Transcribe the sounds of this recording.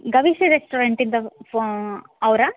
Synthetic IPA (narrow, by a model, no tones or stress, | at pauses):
ɡɐʋiʃiɾesʈoɾɐɳʈind̪ɐ | ɐwɾɐ